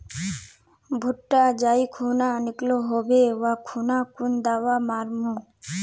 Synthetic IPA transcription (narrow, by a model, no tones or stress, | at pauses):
bʱuʈːad͡ʒaːikʰuːnanɪkloɦobeʋakʰunakund̪aːʋamaɾmu